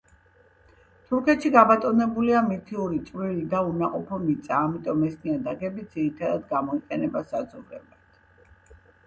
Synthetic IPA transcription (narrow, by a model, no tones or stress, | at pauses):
t̪ʰuɾkʰɛt̪ʃiɡabat̪ʼɔnɛbuliamit̪ʰiuɾit̪sʼvilid̪aunaqʼɔpʰɔmit̪sʼaːmit̪ʼɔmɛsmiad̪aɡɛbid̪z̥iɾit̪ʰad̪ad̪ɡamɔiqʼɛnɛbasad̪zɔvɾɛbat̪ʰ